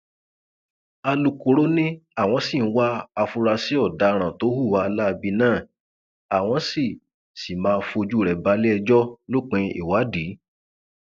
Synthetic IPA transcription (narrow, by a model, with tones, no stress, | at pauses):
a˧lu˧ko˨ɾo˦nĩ˦a˦˨w̃ɔ̃˧˦si˦˨n̩˨˦wa˦a˧fu˧ɾa˧si˨˦ɔ˦˨da˨˧ɾ̃ã˨to˨˦hu˦˨wa˧la˦˧bi˧nãː˦˨ | a˨w̃ɔ̃˧si˦˨ | si˨mãː˨˦˧fo˧d͡ʒu˦˨ɾɛ˨ba˧˦le˦ɛ˧d͡ʒɔ˦lo˦˨k͡pẽ˧ḭ˦˨wa˨˦di˨˦